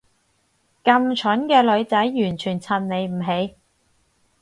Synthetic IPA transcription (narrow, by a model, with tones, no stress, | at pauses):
kɐ˧mt͡ʃʰɵ˨˥nkɛː˧lɵ˨˧ɥt͡sɐ˨˥jːyː˨˩nt͡ʃʰyː˨˩nt͡sʰɐ˨˩nne˨˧jm̩˨˩ɦe˨˧˥j